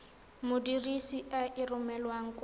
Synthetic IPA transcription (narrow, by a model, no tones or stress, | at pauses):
mʊdirisiʔaʔirʊmɛlwaŋ̩k